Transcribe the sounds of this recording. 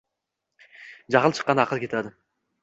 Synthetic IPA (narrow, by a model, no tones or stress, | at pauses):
d͡ʒɑʁəlˠt͡ʃʰə̥qːɑnɑqʰəlˠkʰʲet̪ʰæd̪ɪ